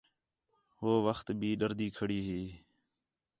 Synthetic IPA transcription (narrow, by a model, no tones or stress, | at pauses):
ɦoːʋəxt̪bʱiːɗəɾd̪iːkʰəɽiːɦiː